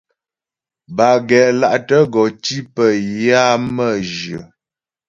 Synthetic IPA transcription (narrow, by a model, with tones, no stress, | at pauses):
ba˨ɡɛ˨ʔla˦˨ʔtə˦ɡɔ˨ti˦pə˨ja˦mə˦˨d͡ʒə̰˨